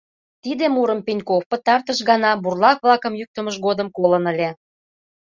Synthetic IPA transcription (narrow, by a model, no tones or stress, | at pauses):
t̪id̪emuɾəmpenʲkofpə̆t̪ɑrt̪əʃɣɑnɑburlɑkβlɑkə̆mjyk̚t̪ə̆məʃɣod̪əmkolənəlʲe